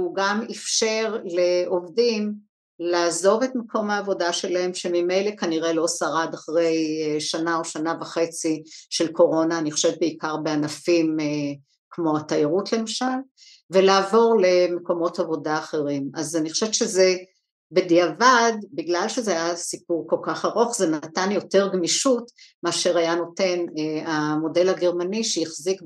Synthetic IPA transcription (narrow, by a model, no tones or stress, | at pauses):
uɡamefʃe̞ʁleo̞vdim | laːzo̞ve̞tmeko̞mhaːvo̞daʃe̞lae̞mʃe̞mime̞jle̞kaniʁe̞lo̞saʁad̪aχʁe̞jʃanaoʃanavaχe̞t͡siʃe̞lkʰo̞ʁo̞naːniχoʃevtbeikaʁbeanafime | kmo̞at̪ajaʁutle̞maʃal | ve̞laːvo̞ʁle̞meko̞mo̞tavo̞daːχe̞ʁimazaniχoʃeveʃeze̞ | bediavadbiɡlalʃezeajasipuʁko̞lkaχaʁoχzenatanjo̞te̞ʁɡmiʃutmeaʃe̞ʁajano̞te̞neamo̞de̞lhaɡe̞ʁmaniʃejiχzik